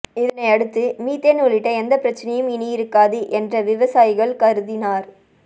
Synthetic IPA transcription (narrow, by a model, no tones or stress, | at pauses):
ɪðɐnɐɪɐɽɯt̪ːɯmiːt̪ːenɔɭɪʈːɐɛnd̪ɐpːɪɾɐt͡ʃːɐnɐjɯmɪnɪjɪɾɯkːaːðɯʔɛndrɐʋɪʋɐsaːjɪɣɐɭkɐɾɯðɪnaːɾ